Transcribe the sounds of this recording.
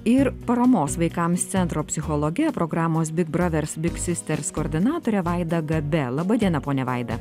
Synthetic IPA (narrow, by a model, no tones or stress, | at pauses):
ɪɾpɐɾɐmoːsʋɐɪkɐmst̪sʲɛnt̪ɾoːpʲsʲɪxɔlˠɔɡʲɛpɾoɡɾɑːmoːs̬bʲɪɡ̚bɾɐʋʲɛɾsbʲɪksʲɪsʲt̪ʲɛɾskoːɾʲd̪ʲɪnɑːt̪oːɾʲɛʋɐˑɪd̪ɐɡɐbʲɛlˠɑbɐd̪ʲiɛnɐpoːnʲɛʋɐɪd̪ɐ